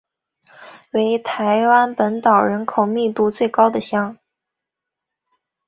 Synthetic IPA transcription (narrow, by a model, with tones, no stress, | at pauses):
we˧˥ɪt̪ʰa˧˥ɪwa˥npə˧˥nt̪ɑ˨˩ʊɻə˧˥nkʰo˨˩ʊmi˥˧t̪u˥˧t͡swe˥˩ɪkɑ˥ʊd̪ə˨ɕjɑ˥ŋ